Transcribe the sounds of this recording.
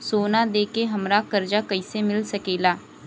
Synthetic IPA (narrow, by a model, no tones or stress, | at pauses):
soːnad̪eːkeɦɐmɾakɐɾd͡ʒakɐɪsemɪlsɐkeːlaː